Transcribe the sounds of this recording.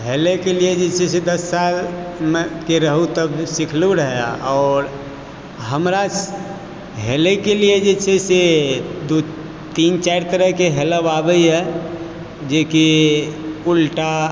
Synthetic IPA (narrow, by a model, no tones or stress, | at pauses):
ɦelekelied͡ʒet͡ʃʰesed̪əsːalmekeɾəɦũt̪əbsikʰluɾəɦja̰ʔɔːɾ | ɦəmɾa | ɦelekelied͡ʒet͡ʃʰesed̪u | t̪int͡ʃaɪɾt̪əɾəɦkeɦeləbabəiɦɛ | d͡ʒeki | ulʈa